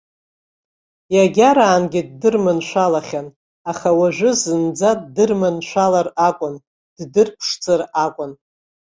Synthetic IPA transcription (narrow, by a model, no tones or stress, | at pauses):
jaɡʲaɾaːnɡʲɪd̚dɨrmɨnʃʷalaχʲan | aχawaʒᶣʷʊzɨnd͡zaddɨrmɨnʃʷalarakʷʼʊn | d̥dɨrpʰʂt͡sʼɨrakʷʼʊn